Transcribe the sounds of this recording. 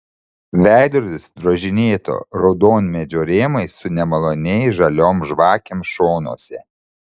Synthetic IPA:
ʋʲæˑɪd̪ɾʊd̪ʲɪsd̪ɾoʒʲɪnʲeːt̪o̰ːɾɐʊd̪oːnʲmʲɛd͡ʒʲoːɾʲeːmɐɪssʊnʲɛmɐlˠoːnʲɛɪʒɐlʲoːmʒʋɑːkʲemʃoːnoɔsʲɛ

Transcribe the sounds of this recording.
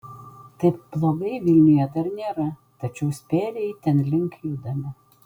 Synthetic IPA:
t̪ɐɪpb̥lˠoːɡɐɪʋʲɪlʲnʲɪjɛd̪ɐɾnʲeːɾɐ | t̪ɐt͡ʃʲɛʊsʲpʲeːlʲejɪt̪ʲɛnlʲɪŋkjud̪ɐmʲɪ

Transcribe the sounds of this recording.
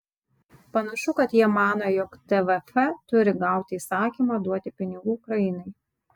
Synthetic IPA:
pɐnɐʃʊkɐt̪jiɛmɑːnojɔkt̪ɛʋɛfɛt̪ʊɾʲɪɡɑˑʊt̪ʲɪiːsɑːkʲiːmɑːd̪uɔt̪ʲɪpʲɪnʲɪɡuːkɾɐɪnɐɪ

